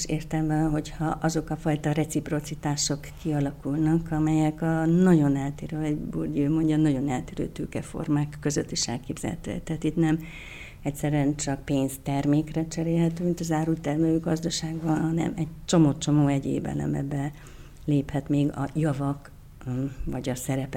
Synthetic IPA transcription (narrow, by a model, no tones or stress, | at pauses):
ʃeːrt̪ɛlmɛɦo̞chɒʔɒzo̞kɒfɒjt̪ɒrɛt̪sipro̞t̪sit̪aːʃo̞kːiɒlɒkulnɒkɒmɛjɛkɒnɒɟo̞nɛlt̪eːɾøɛburɟøːmo̞ɲɟɒnɒɟo̞nɛlt̪eːɾø̰ːt̪øːkɛfo̰rmaːkːø̞zøt̪ːiʃɛlkeːbz̥ɛ̰lhɛ̰t̪ø̰ːɛ̰kt̪ɛɦaːt̪it̪nɛm | ɛcʲsɛɾyɛnt͡ʃɒk̚peːnst̪ɛrmeːkrɛt͡ʃɛɾeːlɦɛt̪øːmint̪ɒzaːɾult̪ɛrmløːɡɒzd̪ɒʃaːɡbɒnɦɒnɛ̰mɛɟt͡ʃo̞moːt͡ʃo̞moːɛɟḛːbɛ̰lɛ̰mɛ̰bɛ | leːphɛt̪meːɡɒ̰jɒvɒk | vɒɟɒsɛɾɛpɛ